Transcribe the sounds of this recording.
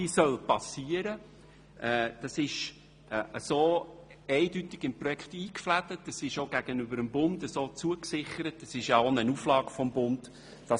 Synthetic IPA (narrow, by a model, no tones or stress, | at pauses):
isœlpɑsiːəɾə | ʔɛːd̥ɑsɪʃ | ʔəsoːɛɪdytɪɡ̥ɪmprɔjɛkχtiːkflædətːɑsɪʃoɡæɡ̥ənʏbəɾəmbʊndəsoːt͡suəksɪχəɾətːəsɪʃjɑonənuflɑːɡ̥fɔmbʊnd | d̥ɑ